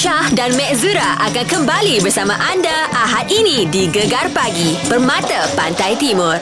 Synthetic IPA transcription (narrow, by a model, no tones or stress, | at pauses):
ʃahdanmɛ̃ʔzuɾaʔakankəmbalibərsamãʔandaʔaɦat̪inĩdiɡəɡarpaɡibərmãt̪əpant̪ajt̪imʊr